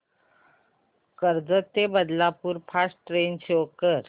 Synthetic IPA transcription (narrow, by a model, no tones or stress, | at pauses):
kəɾd͡zət̪ebəd̪lapuːɾpʰasʈɾent͡ɕʰeokəɾ